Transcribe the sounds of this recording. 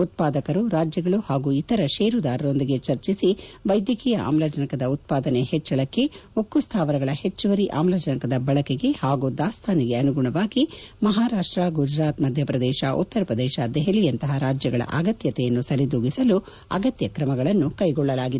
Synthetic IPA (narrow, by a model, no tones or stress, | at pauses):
ut̪̚paːd̪ɐkɐɾuɾaːd͡ʒjɐɡɐɭuhaːɡuit̪ɐɾɐʃeːɾud̪aːɾɐɾo̞nd̪iɡe̞t͡ʃɐɾt͡ʃisiʋɐjd̪jɐkiːjɐʔa̰ːmlɐd͡ʒɐnɐkɐd̪ɐut̪̚paːd̪ɐnehɛt͡ʃːɐɭɐkːe̞okːust̪ʰaːʋɐɾɐɡɐɭɐhet͡ʃːɐʋɐɾiʔa̰ːmlɐd͡ʒɐnɐkɐd̪ɐbɐɭɐkeɡe̞haːɡud̪aːst̪ʰaːniɡeɐnuɡuɳɐʋaːɡimɐɦaːɾaːʂʈɾaːɡud͡ʒɾaːt̪mɐd̪ʱjɐpɾɐd̪ɛːʃɐʔṵt̪ːɐɾɐpɾɐd̪ɛːʃɐd̪ɛɦɛlijɐnt̪ɐɦɐɾaːd͡ʒjɐɡɐɭɐ̰ʔa̰ɡɐt̪jɐt̪ɛjɐnːusɐɾid̪uːɡisɐlu | ɐ̰ɡɐt̪jɐkɾɐmɐɡɐɭɐnːukɐjɡɔɭːɐlaːɡid̪